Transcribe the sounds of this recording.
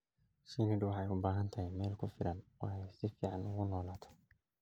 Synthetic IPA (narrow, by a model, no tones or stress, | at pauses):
sinɪdwɑħɛjʊbaːɦɐnt̪ʰɐɦɪjmɛːlkʰʊfɪlɐnwʔɑːɛjsɪfiːʕɑnʊɣʊnɔːlaːt̪ʰɔ̥